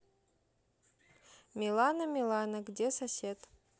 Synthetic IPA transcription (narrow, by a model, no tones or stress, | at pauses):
mʲilˠɑnəmʲilˠɑnəɡdʲesɐsʲet̪